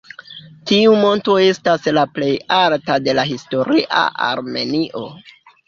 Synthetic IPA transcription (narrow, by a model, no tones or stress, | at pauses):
tiumo̞nto̞e̞staslaple̞jaltade̞laɦisto̞ɾiʔa̰ʔa̰ɾme̞niʔo̞̰